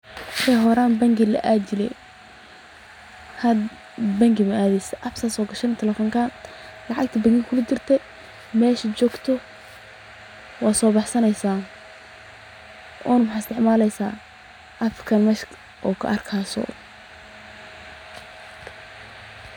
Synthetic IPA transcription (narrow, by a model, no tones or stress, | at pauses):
ħɛjɦɔɾaːnbɐŋɡilɐ̰ʔad͡ʒɪlɛ̰j | hɐd̪ | bɐŋɡɪmɐʔaːðɛjsɛʔɐfsasɔːɡɐʃɐnɛt̪ʰɛlɛfɔŋkʰaːn | lɑʕɑk̚t̪ʰɐbɐŋɡɪŋkʰʊlʊd̪ɪrt̪ʰɛ | mɛːʃɐt͡ʃɔːɡt̪ʰɔ | wɑːsɔːbɑħsɐnɛjsaː | ʔɔːnwħaɪst̪ʰɛʕmaːlɛjsaː | ʔɐfkʰɐnmɐʃ | ʔɔːkʰɐ̰ʔɐrkʰaːsɔ̰